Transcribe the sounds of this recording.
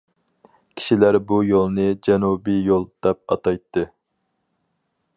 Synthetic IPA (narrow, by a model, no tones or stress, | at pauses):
kʲʰi̥ʃilæɾbujolˠnɨd͡ʒɛnubijolˠd̪̥ɛp̚ɑ̰t̪ɑjt̪ːɨ